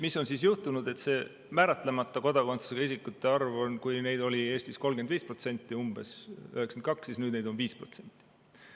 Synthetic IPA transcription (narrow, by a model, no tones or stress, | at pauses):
misːo̞nsisjuht̪unud̪e̞t̪se̞ː | mæːɾɑt̪ˑle̞mɑt̪ːˑɑko̞d̪ɑkonsu̥seɡɑisikːˑut̪ːe̞ɑrvo̞nkujne̞jd̪̥o̞lʲie̞ːst̪isko̞lɡed̪viːspro̞t̪se̞nʲt̪ːˑiumb̥e̞̰søɦheksend̪̚kɑksːisnyːd̪nejd̪o̞nviːspro̞̰t̪se̞nʲt̪ːˑi